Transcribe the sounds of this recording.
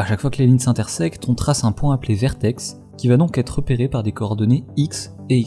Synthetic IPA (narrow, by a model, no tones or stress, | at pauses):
aʃakfwakəleliɲsɛ̃t̪ɛʁsɛkt̪ʰɔ̃t̪χasɛ̃pwɛ̃aplevɛʁt̪ɛks | kʲivad̪ɔ̃kɛt̪χəpeʁepaʁd̪ekɔːʁd̪ɔneiks | e